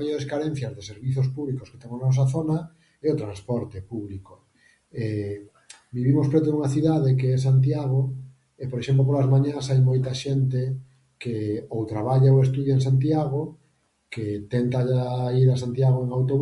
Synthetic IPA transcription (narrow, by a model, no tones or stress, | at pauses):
ajoɾeskaɾen̟θjɐzðeseɾβiθos̬puβlikoske̥t̪ɛŋonɔs̬aθonɐ | ɛot̪ɾanspɔɾt̪epuβliko | ɛ | biβimospɾɛt̪̬ouŋaθiðaðekeɛs̬ant̪̬jaɣ̞o | epoɾeʃemp̬lopolazmaɲãsajmojt̪aʃent̪e | keowt̪ɾaβaʎaoest̪uðjeeŋsant̪jaɣo | ket̪ɛnt̪aʎaiɾasant̪jaɣoeŋawt̪oβ